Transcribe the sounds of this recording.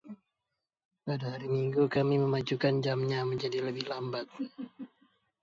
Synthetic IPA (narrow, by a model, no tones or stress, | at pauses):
padaɦaɾimiŋɡukamiməmad͡ʒukand͡ʒamɲaməɲd͡ʒadiləbɪhlambat̪̚